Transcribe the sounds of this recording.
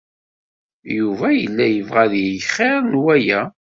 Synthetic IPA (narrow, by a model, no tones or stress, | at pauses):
juvæjəlːæjəvʁæðijχːeɾˤnwæjæ